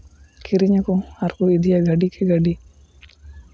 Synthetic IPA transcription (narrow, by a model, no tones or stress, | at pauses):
kʰiɾiɲɐkuɐɾkuid̪ijaɡɐɖikʰeɡɐɖi